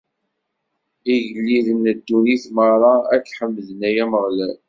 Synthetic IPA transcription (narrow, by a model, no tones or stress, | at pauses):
iʝəlːiðənːəd̪ːuniθməɾˤɑækːħəmːðənæjæməʁlæl